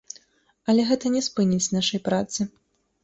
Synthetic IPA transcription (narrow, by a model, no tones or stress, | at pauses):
ɐlʲɛɣɛt̪ɐnʲɛspɨnʲit͡sʲnaʂɐjpɾat̪sɨ